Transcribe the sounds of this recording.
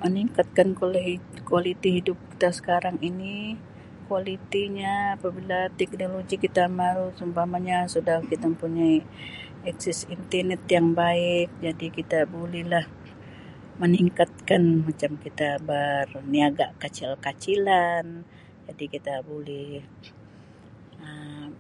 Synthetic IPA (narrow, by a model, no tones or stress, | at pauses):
məniŋkat̪̚kankolɛɦikualit̪iɦidʊp̚ki̥t̪asə̥kaɾaŋini | kualit̪iɲaːpabilat̪ɛk̚noloɡikit̪amaɾusumbamaɲasudahkit̪aməmpuɲai | ɛksɪsint̪ənɛt̪jaŋbaɪk̚d͡ʒadikit̪abolɛhlah | məniŋkat̪̚kanmat͡ʃamkit̪abaɾuniaɡaʔkat͡ʃɪlkat͡ʃilan | d͡ʒadikit̪abolɛh | ə